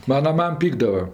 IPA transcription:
ˈmɑːnɐ ˈmɐm ˈpʲiːɡdɐʋɐ

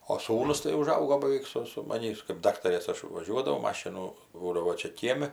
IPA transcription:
oː ˈsuːnʊs tɐɪ ʊˈʒɐʊɡoː bɐˈʋʲɛɪk sʊ sʊ mɐˈnʲiːs kɜp ˈdɑːktɐrʲeːs ˈɐʃ ʋɐˈʒʲuɔdɐʋɐʊ ˈmɑːʃʲɪnʊ ˈbuːdɐʋoː ˈt͡ʃʲɛ ˈkʲiɛmʲɪ

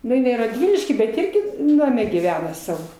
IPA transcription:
nʊ ɪnɐɪ rɐdʲˈʋʲɪlʲɪʃʲkʲiː bʲɛt ˈɪrʲɡʲɪ ˈnɑːmʲɛ ɡʲiːˈʋʲæːnɐ ˈsɑːʋoː

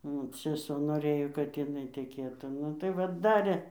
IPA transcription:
ˈnʊ sʲɛˈsoː noːˈrɘjoː kɐt jɪˈnɐɪ tʲɛˈkʲeːtuː ˈnʊ tɐɪ ˈʋɐ ˈdɑːrʲeː

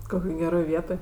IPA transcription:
ˈkoːkʲoːj ɡʲɛˈroːj ˈʋʲiɛtoːj

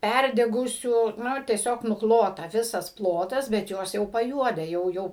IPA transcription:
ˈpʲærʲdʲɛɡʊsʲuː ˈnʊ tʲiɛˈsʲoːk nʊˈklˠoːtɐ ˈʋʲɪsɐs ˈplˠoːtɐs bʲɛt ˈjoːs jɛʊ pɐˈjuɔdʲɛ ˈjɛʊ ˈjɛʊ

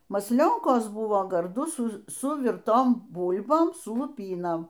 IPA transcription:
mɐsʲˈlʲoːŋkoːs ˈbʊʋoː ɡɐrˈdʊ ˈsʊ sʊˈʋʲɪrtoːm ˈbuːlʲboːm sʊ lˠʊˈpʲiːnoːm

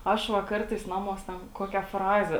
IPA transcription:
ˈɐʃ ˈʋɐ ˈkɐrtɐɪs ˈnɑːmuɔs tʲɛn ˈkoːkʲɛ ˈfrɑːzʲɛ

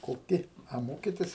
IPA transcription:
koːˈkʲɪ ɐ ˈmoːkʲɪtʲɪs

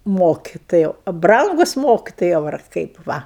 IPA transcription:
ˈmoːkʲɪtoːjɛʊ ɐ ˈbrɐŋɡʊs ˈmoːkʲɪtoːjɛʊ ɐr ˈkɐɪp ˈʋɐ

